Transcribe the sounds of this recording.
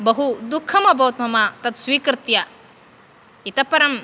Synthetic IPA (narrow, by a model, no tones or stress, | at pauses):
bɐɦud̪ukʰːɐmɐbɐwt̪mɐmɐt̪ɐt̪sʋiːkɾɨt̪jɐ | it̪ɐpɐɾɐm